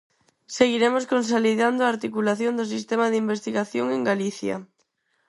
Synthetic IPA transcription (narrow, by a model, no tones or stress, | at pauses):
seɣ̞iɾemoskons̬oliðand̪oaːɾt̪ikulaθjond̪os̬ist̪emaðeimbest̪iɣaθjoŋeŋɡaliθja̰